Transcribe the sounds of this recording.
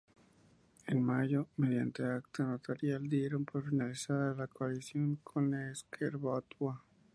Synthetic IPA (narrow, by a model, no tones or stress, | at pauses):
enmaʝomeðjant̪e̞akt̪anot̪aɾjald̪jeɾompoɾfinalisaðalakoalisjo̞ŋkʰoneskʰeɾβat̪wa